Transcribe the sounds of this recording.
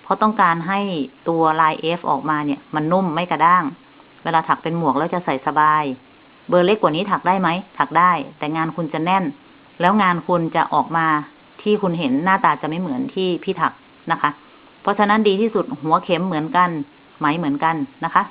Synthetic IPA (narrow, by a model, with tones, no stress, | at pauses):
pʰɔ˧˥t̪ɔ˥˩ŋkaː˧nɦa˥˩jt̪u˧ɐlaː˧jʔe˦˥fʔɔ̰ː˨˩k̚maː˧ni˧˩ɐma˧˥nːu˧˥˩mːa˧˥˩jka˧˩daː˥˩ŋ | wɛː˧laː˧t̪ʰa˨˩k̚pe˧nmu˨˩ək̚lɛː˧˥˩t͡ɕa˧˨sa˨˩jsa˧baː˧j | bɤː˧le˧˥˩kːwaː˨˩niː˦˥˩t̪ʰa˨˩k̚daː˥˩jma˦˥jt̪ʰa˨˩k̚daː˥˩jt̪ɛː˨˩ŋaː˧nkʰu˧nt͡ɕa˨˩nɛ˧˥˩n | lɛː˦˥wŋaː˧nkʰu˧nt͡ɕa̰˧˩ʔɔː˨˩k̚maː˧ | t̪ʰiː˧˥˩kʰu˧nɦe˩˦nːaː˥˩t̪aː˧t͡ɕa˨˩ma˦˥˩jmɯ˩˦ənt̪ʰiː˥˩pʰiː˧˩t̪ʰa˨˩k̚ | na˦˥kʰa˦˥ʔ | pʰɔ˧˥t͡ɕʰa˧na˦˥˨ndiː˧t̪ʰiː˧˥˩su˧˩t̪̚hu˨˦ɐkʰe˧˦˥mːɯ˩˦ənka˧n | ma˦˥jmɯ˩˦ənka˧nːa˧˥kʰa˦˥ʔ